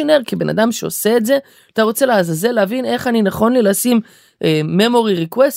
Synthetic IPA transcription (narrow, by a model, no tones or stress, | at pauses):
oneʁkibe̞na̰damʃeo̰se̞ːtze̞ | at̪aʁo̞t͡se̞leazazeleavine̞χaninaχo̞nlilasim | ʔemːe̞mo̞ʁiʁikwest